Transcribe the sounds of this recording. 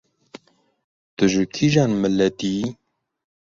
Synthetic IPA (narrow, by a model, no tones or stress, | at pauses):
d̪̥ɨʒɨkʰiʒaːnmɨlɛd̪i